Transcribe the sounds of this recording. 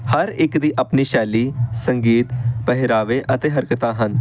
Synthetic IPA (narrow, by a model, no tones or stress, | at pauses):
həɾɪkd̪iːʔəpniːʃɛːliːsəŋɡiːt̪pəɦɪɾaːʋeːʔət̪eːɦəɾkət̪ãːɦən